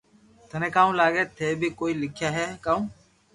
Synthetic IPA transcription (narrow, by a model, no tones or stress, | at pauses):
t̪ənẽːkaːõlaːɡeːt̪ʰeːbʱiːkoːiːlɪkʰjaːɦɛːkaːũː